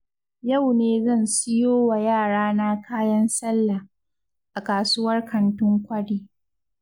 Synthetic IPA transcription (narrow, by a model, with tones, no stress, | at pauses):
ja˦˨wneː˨zɐ˦˨nsɪ˦joː˦wa˨jaː˦˨ɽaː˦na˦kaː˦jɐ˦nsɐ˦lːa˨ | ʔa˨kaː˨suː˦wɐ˦rkɐ˨ntʊ˦ŋkʷɐ˦ɽiː˦